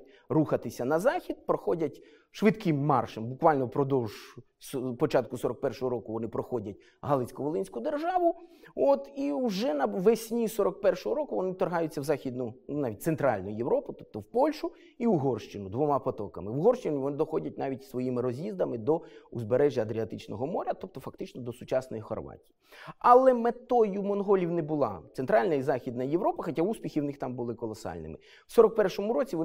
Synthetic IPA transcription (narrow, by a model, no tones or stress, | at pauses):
ruxɐt̪ɪsʲɐnɐzɑxʲid̪̚pɾɔxɔdʲɐtʲ | ʃʋɪt̪kɪmːɑ̰rʃɛmbʊkʋɑlʲnɔpɾɔd̪ɔwʒ | spɔt͡ʃɑt̪kʊsɔɾɔk̚pɛrʃɔɦɔɾɔkʊʋɔnɪpɾɔxɔdʲɐt̚ʲ | ɦɑlˠɪsʲkɔʋɔlˠɪnʲsʲkʊd̪erʒɑʋʊɔt̪iuʒɛnɐʋesʲnʲisɔɾɔk̚pɛrʃɔɦɔɾɔkʊʋɔnɪt̪ɔrɦɑjʊt͡sʲːɐwzɑxʲid̪nʊnɑʋʲit̚ʲt̪sent̪ɾɑ̰lʲnɔjʊjewɾɔpʊt̪ɔp̚t̪ɔwpɔlʲʃʊ | iɦɔrʃt͡ʃɪnʊd̪ʋɔmɑpɔt̪ɔ̰kɐmɪʋɦɔrʃt͡ʃɪnʲɪʋɔnɪd̪ɔxɔdʲɐt̚ʲnɑʋʲitʲsʋɔjimɪɾɔzʲjizd̪ɐmɪd̪ɔuzbeɾɛʒʲjɐɐd̪ɾʲiɐt̪ɪt͡ʃnɔɦɔmɔɾʲɐt̪ɔp̚t̪ɔfɐkt̪ɪt͡ʃnɔd̪ɔsʊt͡ʃɑsnɔjixɔ̰rʋa̰tʲijiɐlˠɛmet̪ɔjʊmɔnɦɔlʲiwnɛbʊlˠɑ̰t̪ent̪ɾɑlʲnɐizɑxʲid̪nɐjeʋɾɔpɐxɐtʲauspʲixʲiwnɪxt̪ɑmbʊlˠɪkɔlˠɔsɑ̰lʲnɪ̰mɪ | w̥sɔɾɔk̚pɛrʃɔmʊɾɔt͡sʲiʋ